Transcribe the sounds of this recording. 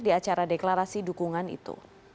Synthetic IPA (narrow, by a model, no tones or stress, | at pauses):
diat͡ʃaɾadeklaɾasidukuŋanḭt̪ṵ